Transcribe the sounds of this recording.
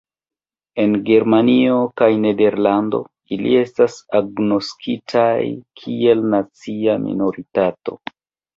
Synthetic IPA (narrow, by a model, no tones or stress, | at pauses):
e̞nɡe̞ɾmanio̞kajne̞de̞ɾlando̞̰ | ilḭe̞stasaɡno̞skʰitʰajkʰie̞lnat͡siamḭno̞ɾitato̞̰